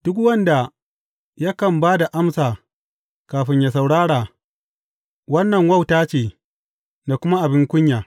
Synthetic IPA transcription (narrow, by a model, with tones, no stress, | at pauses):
d̥ʊ˦k̬wɐ˦nda˨ | ja˦kɐ˨mbaː˦da˨ʔa˦msaː˨ | kaː˨ɸɪ˦ɲjaː˨s̬a˨wɽaː˦ɽaː˨ | wɐ˦nːɐ˨ŋwɐ˦˨wtaː˦t͡ʃeː˨ | da˨kʷʊ˦ma˦ʔa˨bɪ˦ŋkʷʊ˦ɲjaː˨